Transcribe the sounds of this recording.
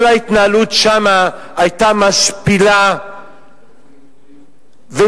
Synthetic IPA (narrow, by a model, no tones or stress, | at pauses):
lait̪naalutʃamaː | jtamaʃpila | ve